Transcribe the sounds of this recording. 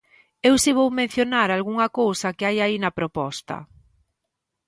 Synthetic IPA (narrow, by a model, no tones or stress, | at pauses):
ewsiβ̞owmẽn̟θjonaɾalɣuŋɐkowsɐkɪajainɐpɾopɔst̪ɐ̰